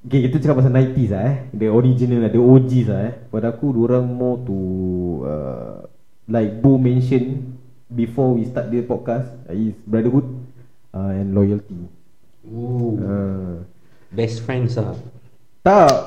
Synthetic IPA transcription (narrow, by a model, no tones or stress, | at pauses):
ɡekit̪ut͡ʃəkapːas̬anajt̪islaɛdəɔɹid͡ʒinəladəod͡ʒis̬laɛfadakuduɾãŋmɔt̪u | ə̰ | lajk̚bomɛ̃nʃə̃n | bifɔwist̪at̚dispɔt̚kasisbɹadəɦut̚ | ʔaɛ̃nlɔjəlt̪i | oə̃ | bɛstfɹɛ̃nsa | t̪a